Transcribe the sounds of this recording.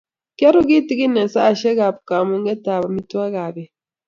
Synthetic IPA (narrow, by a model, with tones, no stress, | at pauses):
ke˦ɾu˦ɡi˦ti˨ɡi˦ne˨nsa˦˨ʃe˦ɡa˨pu̥˨ka˨mu˦ŋɡe˦ta˨βa˨mi˦twa˦ɣa˨be˨